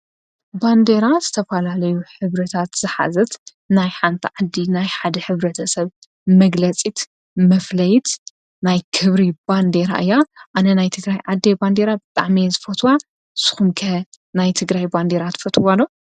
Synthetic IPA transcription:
band̪e̞ɾazɨt̪ʰɐfɐlalɐjuħɨβɾɐt̪ʰat̪z̥ɨħa̰zɐt̪ | najħant̪ʰiʕad̪ːinajħad̪ɐħɨβɾɐt̪ʰɐsɐβ | mɐɡlɐt͡sʼit̪ | mɐflɐjt̪ | najkʰɨβɾiband̪eɾa̰ʔɨjːaʔanɐnajt̪ʰɨɡɾajʕad̪ːeband̪e̞ɾabɨt̪ʼa̰ʕmizɨfot̪ʰwa | sɨ̥xumkʰɐ | najt̪ʰɨɡɾajband̪eɾat̪fɐt̪ʼwalːo

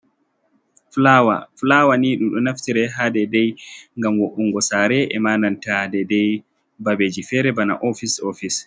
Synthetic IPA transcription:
flawa̰flaːwaniːɗumɗɔnaftiɾɛɦaːdɛdɛjŋɡamwoʔuŋɡɔsaːɾɛʔɛmaːnantadɛdɛj | babeːd͡ʒifɛɾɛbana̰ʔofisofis

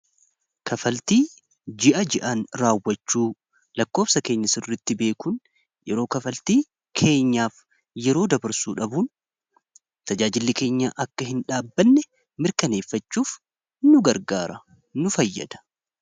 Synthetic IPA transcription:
kɐfɐlt̪iː | d͡ʒɪʔɐd͡ʒɪʔaːnɾaːwːɐt͡ʃːuː | lɐkːo̞ːbsɐke̞ːɲːɐsɪrːɪt̪ːɪbe̞ːkun | jɛɾo̞ːkɐfɐlt̪iː | kʰe̞ːɲːaːf | jɛɾo̞ːd̪ɐbɐɾsuːᶑɐbuːn | t̪ɐd͡ʒaːd͡ʒɪlːɪke̞ːɲːaːʔɐkːɐɦɪnᶑaːbːɐnːɛ | mɪɾkɐne̞ːfːɐt͡ʃːuːf | nʊɡɐɾɡaːɾɐ | nʊfɐjːɐ̰d̪ɐ̥

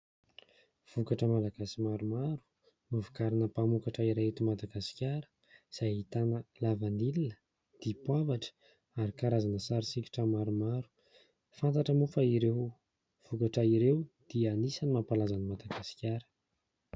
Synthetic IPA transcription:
v̥ukaʈ͡ʂəmalaɡ̥asimaɾumaɾu̥ | mivukaɾinəpamukaʈ͡ʂaiɾaet̪imad̪aɡasi̥kʲjaɾə̥ | z̥ajit̪anəlavanilinə | d̪̥ipwavaʈ͡ʂə̥ | aɾikaɾazanəsaɾisiki̥ʈ͡ʂəmaɾumaɾu̥ | fant̪aʈ͡ʂəmufaiɾew | v̥ukaʈ͡ʂəiɾewd̪̥iəːnisanimapalazanimad̪aɡasi̥kʲaɾə̥

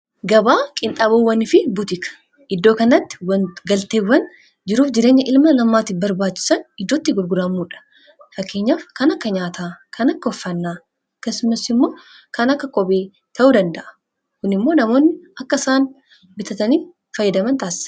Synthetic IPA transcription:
ɡɐbaːkʼɪnt̪ʼaːbowːɐnɪfɪbʊt̪ɪkɐ̥ | ʔɪd̪ːoːkɐnɐt̪ːɪ̥wɐnɡɐlt̪eːwːɐn | d͡ʒɪɾuːfd͡ʒɪɾe̞ːɲːɐʔɪlmɐlɐmːaːt̪ɪbɐɾbaːt͡ʃːɪ̥sɐnɪd̪ːot̪ːɪɡʊɾɡʊɾaːmːuːᶑɐ̥ | fɐkːe̞ːɲːaːfkɐnɐkːɐɲaːt̪akʰɐnɐkːɐɔfːɐnːaː | ɐkːɐsʊmɐsɪmːo̞ː | kɐnɐkːɐkʼɔbe̞ː | t̪ʰɐʔuːd̪ɐnd̪ɐʔɐ̥ | kʊnɪmːo̞ːnɐmo̞ːnːɪɐkːɐsaːn | bɪt̪ɐt̪ɐniː | fɐjːɐd̪ɐmɐnt̪aːsɪ̥s

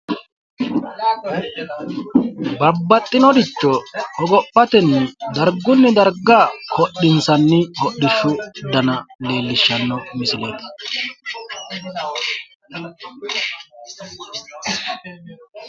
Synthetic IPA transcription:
bɐbːɐt̪ʼːɪnɔd̪ɪt͡ʃːɔhɔɡɔpːɐt̪ɛnːɪd̪ɐɾɡʊnːɪd̪ɐɾɡaːkʰɔɗːɪnsɐnːɪhɔɗːɪʃʊd̪ɐnɐle̞ːlːɪʃːɐnːɔmɪsɪleːt̪ɐ̥

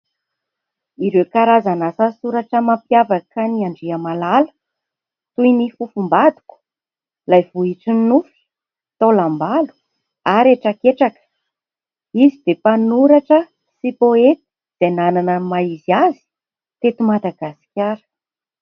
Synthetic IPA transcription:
iɾewkaɾazanasasuɾaʈ͡ʂəmampjavakəniaɳɖ͡ʐiamalalə̥ | t̪ujnifufumbad̪u̥ku̥ | lajvuiʈ͡ʂinnufi̥ | t̪olambalu̥ | aɾeʈ͡ʂakeʈ͡ʂakə̥ | izid̪epanuɾaʈ͡ʂə | sipoet̪i̥ | d̪̥enananəmaiziazi̥ | t̪et̪umad̪aɡasi̥kʲaɾə̥

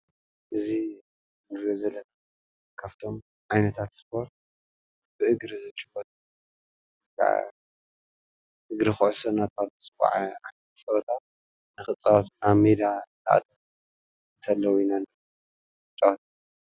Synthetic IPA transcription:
ʔɨzi | mɨɾozɐlɐ | kʰaft̪ʰo̞m | ʕajnɐt̪ʰat̪spʰo̞ɾt̪̚ | bɨʔɨɡɾizɨt͡ʃʼɨ̥fot̪ʼ | kʰʼa̰ | ʔɨɡɾixɨʕʊsɐnat̪ʰasʼɨka̰ʕaʕajnt͡sʼɐβɐt̪ʰat̪̚ | nɨxɨt͡sʼɐwɐt̪ʔaβmid̪alɐʔa̰t̪ʼʰɐ | ɨnt̪ʰɐlːɐwnan | ɨt͡ʃʼɐwɐt̪ʰ

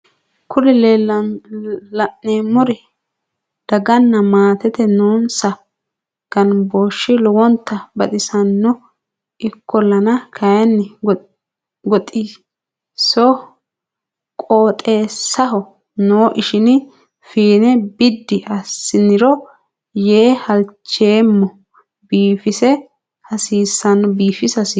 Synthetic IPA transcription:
kʰʊlɛlel | lɐʔneːmːɔɾɪ | d̪̥ɐɡɐnːɐmaːt̪ɛt̪ɛnoːnsɐ | ɡ̥ɐnboːʃːɪlɔwɔnt̪ːɐbɐt̪ɪsɐnːɔ | ɪkʰːɔlɐnɐkʰɐjɛnːɪ | ɡɔt̪ʼiː | sɔ | kʼoːt̪ʼe̞ːsːɐɦɔ | noːʔɪʃɪn | fiːnɛbɪd̪ːɪʔɐsːɪnɪɾɔ | jeːhɐlt͡ʃːe̞ːmːɔ | biːfɪsɛ | hɐsiːsːɐnːɔbiːfɪsɐsi

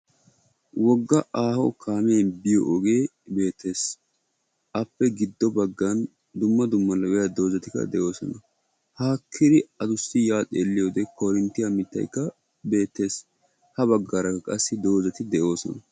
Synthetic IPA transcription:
wɔɡːɐʔaːhɔkʰaːme̞ːnbɪjɔʔɔɡe̞ː | be̞ːt̪ʰːe̞ːs | ʔɐpːɛɡɪd̪ːɔbɐɡːɐn | d̪ʊmːɐd̪ʊmːɐlɐwɛjad̪o̞ːzɐt̪ɪkːɐ̰d̪ɛʔo̞ːsɔ̰nɐ | haːkʰːɪd̪ɪɐd̪ʊsːɪjaːt̪ʼeːlːɪjoːd̪ɛkɔɾɪnt̪ɪjamɪt̪ːɐ̰jkːɐ | be̞ːt̪ːe̞ːs | hɐβɐɡːaːɾɐkɐkʼɐsːɪd̪o̞ːzɐt̪ɪd̪ɛʔo̞ːsɔ̰nɐ

